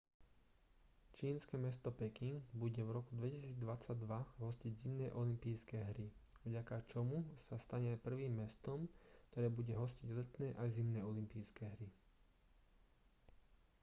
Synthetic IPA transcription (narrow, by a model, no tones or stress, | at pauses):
t͡ʃiːnskɛːmɛst̪ɔpɛkiŋɡbuɟɛvɾɔkud̪ʋɛcisiːd͡zd̪ʋat͡saɟd̪ʋaɦɔsciɟzimnɛːʔɔlimpiːskɛːɦɾiʋɟakat͡ʃɔmusast̪aɲɛpr̩ʋiːmːɛst̪ɔmkt̪ɔɾɛːbuɟɛɦɔsciɟlɛt̪nɛːʔajzimnɛːɔlimpiːskɛːɦɾi